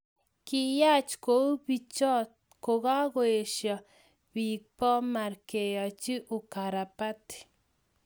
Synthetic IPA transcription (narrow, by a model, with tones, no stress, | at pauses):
ki˦ja˦t͡ʃko˦bi˦t͡ʃɔ˦t | ko˨ɣa˦ɣo˨e˨ʃja˨ | bi˨k̚pɔ˦ma˨ɾke˨ja˨t͡ʃi˦ʔu˨ka˨ɾa˨pa˦t̪